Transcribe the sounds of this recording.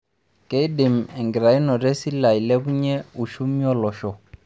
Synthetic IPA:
ke˦ɪ˦dɪ˨m̩˨ɛ˨ŋɡɪ˨ɾa˨i˦nɔ˨ɾɛ˦si˦la˨i˨lɛ˦bu˦ɲɛ˦u˨ʃu˦mi˦ɔ˦lɔ˨ʃɔ˨

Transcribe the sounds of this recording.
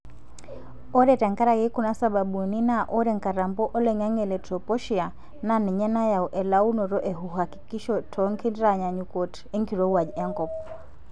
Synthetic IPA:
ɔ˦ɾɛtɛ˨ŋka˦ɾaɣɛ˦ku˦na˦saɓa˨ɓu˨ni˦na˦ʔɔ˦ɾɛŋka˨ɾa˨mbɔ˦ʔɔ˦lɛɲa˦ŋɛlɛ˨tɾɔpɔ˦ʃia˨ | na˦ni˨ɲɛ˦na˦ja˨uʔɛ˨lau˦nɔ˨ɾɔ˦ʔɛ˨ɦuɦaki̥ki˦ʃɔtʰɔŋki˦ndɾaɲa˨ɲukɔ˨t | ɛ˦ŋɡi˨ɾɔ˦wa˨d͡ʒɛ˦ŋkɔ˨p̚

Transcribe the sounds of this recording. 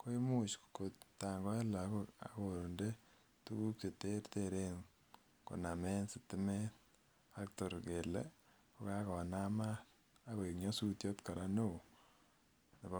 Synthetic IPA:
ko˦i˦mu˦t͡ʃko˨tːa˨ŋɡɔ˦ɛ˦la˨˦koa̰˨ko˨ɾnde˦ | tu˦ku˦k̚t͡ʃe˨te˦rteɾe˦ŋ | ko̰˨na˨me˦nsɪ˨tɪ˦mɛ˦t | a˦k̚to˨ɾke˨lḛ | ko˦ka˦kɔ˨na˦ma˦ | a˦ko˨e˨kɲɔ˦su˦tjɔ˦tka˨ɾa˦no˦˨ | ne˨ba˦

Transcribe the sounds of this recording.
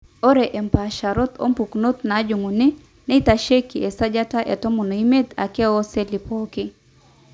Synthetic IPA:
ɔ˦ɾɛ˨ʔɛ˨mpaʃa˨ɾɔ˦t̪ɔ̰˦mpu˨kno˦t̪̚na˨˦d͡ʒu˨ŋu˨ni˦ | nɛ˦i˦ta˨ʃe˦ki˨ʔɛ˨sa˦d͡ʒa˦ta˦ʔɛ˨tɔ˦mu˨no˨ime˦t̪a̰˨kɛ˦ɔ˦sɛli˨pɔkɪ

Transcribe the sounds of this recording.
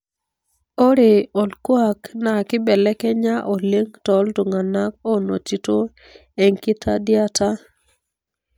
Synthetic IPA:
o˦ɾe˨ɔ˨lkwa˦˨kna˨kɪ˦bɛ˨lɛ˦kɛ˦ɲa˦ʔo˨le˦ŋtɔ˨ltu˨ŋa˨na˦k̚o˦no˨t͡ʃi˨to˦ | ɛ˨ŋki˦tʰa̰˦dja˦ta˦

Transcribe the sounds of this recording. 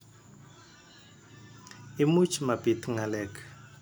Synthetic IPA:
i˦mu˦t͡ʃʰima˨bi˨tʰŋa˨lɛ˨kʰḁ

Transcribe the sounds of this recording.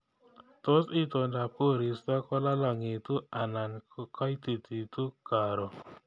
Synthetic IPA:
to˦sɪ˦to˨nda˨po˦˨ɾi˨sta˦kɔ˦la˦lɔ˨ŋe˨tu˦a˨na˨n˦kɔ˦jti˨ti˨tu˦ka˨ɾɔ˨

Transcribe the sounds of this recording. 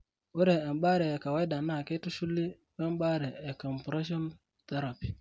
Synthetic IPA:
wu˦ɾɛː˨m˦ɓa˦ɾɛ˨ka˨wa˦jda˨na˦˨ke˦tu˦ʃu˦lːi˦ | wɛ˦m˦ɓa˦ɾɛ˨ɛ˨kɔ˨mpɾe˦ʃɔ˦n | t̪ɛ˦ɾa˨pi̥˨

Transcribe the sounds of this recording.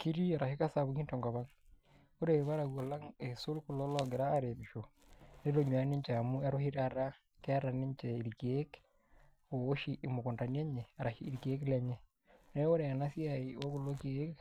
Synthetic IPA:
ki˦ɾi˦a˨ɾa˨ʃi˦ka˦sa˨βu˦ki˦nto˨ŋɡa˨βa˦ŋ | o˦ɾe˨βa˦ɾa˨ɣo˨la˦ŋe˨su˦lku˨lo˦lɔ˨ɡe˨ɾaː˦ɾe˨βi˨ʃo˨ne˦ɾo˦ɲwa˨˦ni˦ɲt͡ʃe˨a˨mu˦a˦ɾo˦hi˦ɾa˦˨ɾa˦ | ke˦a˦ɾa˨ni˦ɲt͡ʃe˨i˨ɾike˦k | o˨o˦ʃi˦ʔːmo˨ko˨nta˨nja˦ɲe˨a˨ɾa˨ʃiː˦ɾi˨ke˦klɛ˨ɲe˦ | ne˦wo˦ɾe˨a˨na˦si˦a˨i˨wo˦ku˨lo˦ki˦e˦k

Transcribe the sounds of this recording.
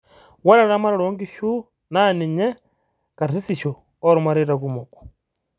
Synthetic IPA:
wa˦ɾa˦ɾa˦ma˦ɾa˦ɾo˦ŋɡi˦ʃu˦ | na˦ni˨ɲɛ˦ | ka˨ɾsi˦si˨ʃɔ˨ | ɔ˦ɾu˦ma˦ɾi˦ɾa˨ku˦mo˨kɔ̥

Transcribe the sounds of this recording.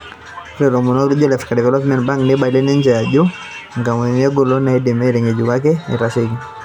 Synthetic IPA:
ɾɛ˨ɾɔ˨mu˨nɔ˦lu˦d͡ʒɔ˦lɛfikadɛ˨vɛlɔp̬mɛ˨ntba˦ŋkni˦ɓa˨i˨lɛ˦ni˦ɲd͡ʒɛjad͡ʒu˦ | ŋɡa˨mɛmɛɡɔ˨lɔ˦na˨idɛ˨mɛ˦ɾɛɲɛ˨d͡ʒuka˦k̬ɛnḭ˨ɾaʃiɡi

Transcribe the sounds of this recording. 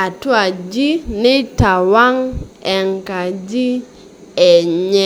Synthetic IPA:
a˨twa˨d͡ʒi˦nɪ˦ta˨wa˦ŋɛ˨ŋka˨d͡ʒi˦ | ɛ˨ɲɛ˦

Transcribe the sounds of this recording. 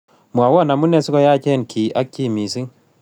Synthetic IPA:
mwa˨wɔ˦˨na˨mu˦ne˦si˦kɔ˦ja˦t͡ʃe˦˨nkʰi˨ʔa˦kːi˦mi˨si˦ŋ

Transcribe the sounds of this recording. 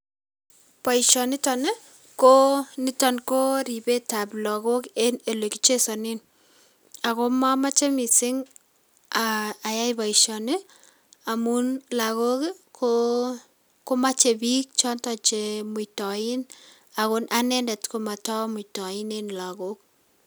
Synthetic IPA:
pa˨iʃɔ˨nɪ˦tɔ˨ne˦ | ko˦nɪ˦tɔnko˦ɾi˨be˦ta˨plɔ˨ko˦kene˨le˨ki̥˦t͡ʃe˦sɔ˨nɪ˦n | a˨ko˦ma˦ma˦t͡ʃe˦mi˨sɪ˦ŋ | aː˨ja˦jba˨iʃɔ˨ne | a˨mu˦nla˨ko˦kkʰo | ko˦ma˦t͡ʃe˨bi˦k̚t͡ʃɔ˦ntɔ˨t͡ʃe˨mʊ˨tɔ˨ɪ˦n | a˨ko˦nʔa˦nɛ˦ndɛ˨tko˨ma˨tɔ˦mʊ˨tɔ˨ɪ˦nenla˨ko˦k̚

